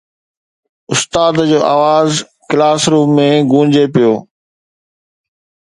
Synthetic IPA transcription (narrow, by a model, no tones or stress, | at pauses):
ʊst̪aːd̪d͡ʑoːʔaːʋaːz | kɪlaːsɾuːẽɡũːd͡ʑepijoː